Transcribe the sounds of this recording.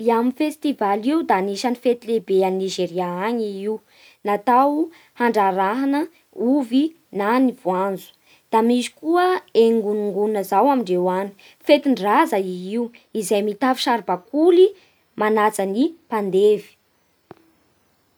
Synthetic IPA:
iaminfest̪ivaliud̪aniʃanifet̪ilebeanniʒeɾiaaɲiiw | nat̪aw | haɳɖ͡ʐaɾaɦanə | uvi | nanivwand͡zu̥ | d̪̥amizi̥kuəeŋɡuniŋɡunnəzawamiɳɖ͡ʐewani̥ | fet̪iɳɖ͡ʐazaiiwizajmit̪afi̥ʃaɾbakuli | manat͡sənipand̪evi̥

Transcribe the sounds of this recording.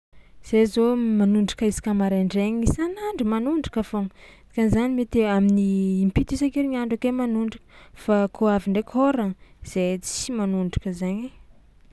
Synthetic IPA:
z̥ezomanuɳɖ͡ʐḁkəizi̥kʲamaɾeɳɖ͡ʐeɲisanaɳɖ͡ʐəmanuɳɖ͡ʐakafoŋ | i̥kanzanimet̪eaminiːmpit̪isakiɾiɲaɳɖ͡ʐakemanuɳɖ͡ʐakə̥fakʰoaviɳɖ͡ʐekʲʰoɾaz̥et͡si̥imanuɳɖ͡ʐḁkəzaɲe

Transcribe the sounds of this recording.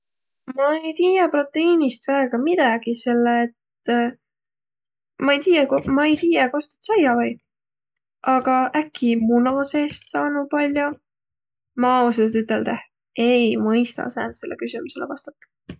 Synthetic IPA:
mɑejt̪iːjɑpro̞t̪ːˑe̞iːnist̪væeɡ̥ɑmid̪ɑɡ̥ise̞lːeːt̪ | mɑejt̪iːjɑkomɑejt̪iːjɑko̞st̪u̥t̪sɑjɑvɑj | ʔɑɡ̥ɑʔækʰːimunɑse̞ːst̪sɑːnupɑlʲjo | mɑwsut̪yt̪ːˑe̞ld̪̥eh | e̞jmɤjst̪ɑ̰sæ̰ːnt̪se̞lːḛkysimuse̞lḛvɑst̪ɑ̥t̪ːˑɑ̥

